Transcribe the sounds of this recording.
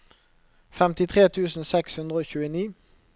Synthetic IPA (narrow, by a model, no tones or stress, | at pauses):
fɛmt̪ɪt̪ʰʁeːt̪ʰʉːsn̩sɛkshʉnd̪ʁəoːçʉːəniː